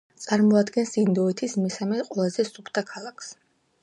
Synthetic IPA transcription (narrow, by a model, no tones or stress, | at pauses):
t̪sʼaɾmɔad̪ɡɛnsind̪ɔɛt̪ʰismɛsamɛqʼwɛlˠazɛsupʰt̪ʰakʰalˠakʰs